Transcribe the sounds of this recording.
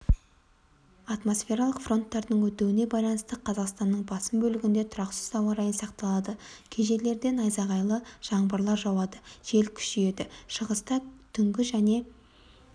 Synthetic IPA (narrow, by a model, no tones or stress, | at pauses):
ɑt̪mo̞sfʲe̞ɾalˠəqfro̞nt̪ːɑɾd̪əɴwɵt̪ewɪne̞bɑjlˠɑnəst̪əqʰɑzɑqst̪ɑnːəɴbɑsəmbɵlɪɡʲɪnd̪e̞t̪ʰʊɾɑqsɪ̥zɑwɑɾɑjənsɑqt̪ɑlˠɑd̪əkʲʰeʒe̞le̞ɾd̪e̞nɑjzɑʁɑjlˠəʒ̥ɑɴbəɾlˠɑɾʒɑwɑd̪əʒ̥e̞lkʲʰʏ̥ʃije̞d̪ɪʃəʁəst̪ɑt̪ʰʏŋɡʲɪʒæne̞